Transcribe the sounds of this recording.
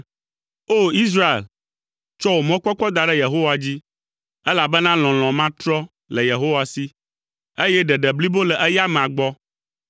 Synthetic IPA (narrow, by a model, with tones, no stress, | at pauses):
o˦i˦s̬ɾa˦ḛ˨l | t͡ʃɔ˦wo˨mɔ̃˦k͡pɔ˦k͡pɔ˦d̪a˨ɖɛ˦je˨ɦo˦wa˨d͡ʑi˦ | ɛ˦la˨bɛ˦nã˦l̃ɔ̃˨l̃ɔ̃˨mã˦t̪ɾɔ˦ | lɛ˨je˨ɦo˦wa˨si˦ | e˦jɛ˦ɖɛ˨ɖɛ˨bli˦bo˦lɛ˨ʔɛ˦ja˦mɛ̃˨a˨ɡ͡bɔ˦